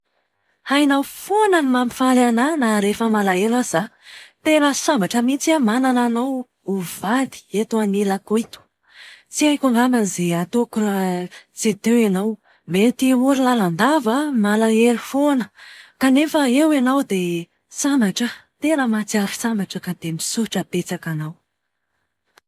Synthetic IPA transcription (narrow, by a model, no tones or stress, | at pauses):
hajnawfonənimamifalananaɾefəmalaelaz̥at̪eɾasambaʈ͡ʂəmit͡siamanananaw | uvad̪i̥et̪uanilakoit̪u̥ | t͡siakʲuŋɡaməzeat̪oku | t͡set̪ewenaw | met̪iuɾilaland̪avamalaeɾifonəkanefəewenawd̪e | sambaʈ͡ʂət̪eɾəmat͡siafi̥sambaʈ͡ʂəkad̪̥emisuʈ͡ʂəpet͡sakanaw